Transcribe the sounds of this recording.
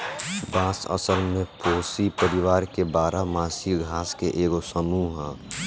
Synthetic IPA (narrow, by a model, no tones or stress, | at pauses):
baːsə̰səlmẽpoːsipəɾɪʋaːɾkebaːɾamaːsiɡʱaːskeʔeːɡosəmuːɦɛ̃